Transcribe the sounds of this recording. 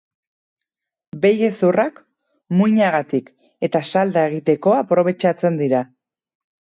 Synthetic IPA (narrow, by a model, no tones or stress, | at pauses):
be̞je̞surak | mujɲaɣat̪ik | e̞t̪asald̪ae̞ɣ̞it̪e̞ko̞apɾo̞β̞e̞t͡ʃat͡se̞nd̪iɾa